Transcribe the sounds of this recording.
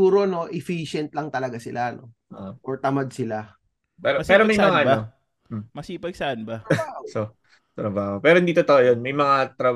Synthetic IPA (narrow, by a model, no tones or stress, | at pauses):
uːɾo̞no̞ʔɛfiʃɛnt̪̚lɐŋt̪ɐlɐɡasɪlʔano̞ | ʔʔʔoɹt̪ɐmad̪̚sɪla | pɛːɾopɛːɾomɐjmɐŋaʔɐo | m̩mɐsiːpɐɡ̚sɐʔanbɐoso | t̪ɾɐbaːhopɛːɾond̪iːt̪ot̪ojonmɐjmɐŋat̪ɾɐb